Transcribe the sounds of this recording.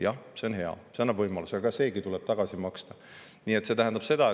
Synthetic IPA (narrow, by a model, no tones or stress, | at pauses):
jɑse̞o̞nɦe̞ɑ̰seonːɑbvɤjmɑlusɑɑkɑse̞ːɡit̪uleb̥t̪ɑɡ̥ɑsimɑkst̪ɑ | nie̞t̪ːˑse̞t̪æɦænd̪ɑb̥se̞d̪̥ɑe